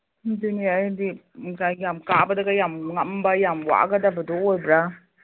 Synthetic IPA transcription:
dunijajdi | kajjamkabɐdɐɡajamŋɐmbajamwa̰ɡɐdabɐdɔojbɾa

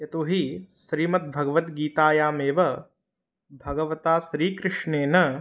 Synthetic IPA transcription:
ɐt̪uɦiʃɾiːmɐt̪̚bʱɐɡɐʋɐt̪ɡiːt̪aːjaːmeːʋɐ | bʱɐɡɐʋɐt̪aːʃɾiːkɾɪʂɳeːnɐ

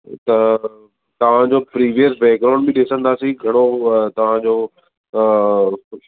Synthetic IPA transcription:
t̪ɐ | t̪ɐʋ̤ãd͡ʑopɾiːʋijəsbɛːkɾãʊ̃ɳɖbɪ̃ɗɪsə̃nd̪aːsiɡʱɐɽ̃ot̪ɐʋ̤ãd͡ʑoː

